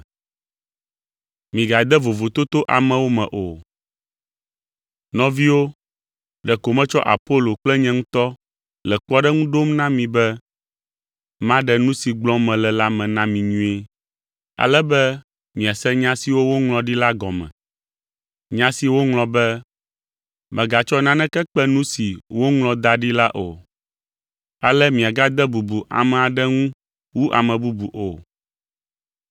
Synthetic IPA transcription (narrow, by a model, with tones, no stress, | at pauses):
mĩ˨ɡa˨d̪ɛ˦vo˨vo˨t̪o˦t̪o˦ʔa˨mɛ̃˨wo˦mɛ̰̃˨ʔo˨ | nɔ̃˦vi˦wo˦ | ɖɛ˨ko˨mɛ̃˦t͡ʃɔ˦ʔa̰˨po˦lo˨k͡plɛ˦ɲɛ̃˦ŋũ˦t̪ɔ˦ | lɛ˨k͡plɔ˦ɖɛ˦ŋũ˦ɖo˦mnã˦mĩ˨bɛ˦ | mã˦ɖɛ˨nũ˦si˨ɡ͡blɔ̃˦mɛ̃˨lɛ˨la˦mɛ̃˨nã˦mĩ˨ɲũ˦e˦ | a̰˨lɛ˦bɛ˦ | mĩ˨a˨sɛ˦ɲã˦si˨wo˦wo˦ŋlɔ̃˨ɖi˦la˦ɡɔ˨mɛ̰̃˨ | ɲã˦si˨wo˦ŋlɔ̃˨bɛ˦ | mɛ̃˨ɡa˨t͡ʃɔ˦nã˦nɛ̃˦kɛ˦k͡pɛ˦nũ˦si˨wo˦ŋlɔ̃˨d̪a˦ɖi˦la˦ʔo̰˨ | a̰˨lɛ˦mĩ˨a˨ɡa˦d̪ɛ˦bu˨bu˨ʔa̰˨mɛ̃˨a˨ɖɛ˦ŋũ˦ | wu˦ʔa̰˨mɛ̃˨bu˦bu˨ʔo˨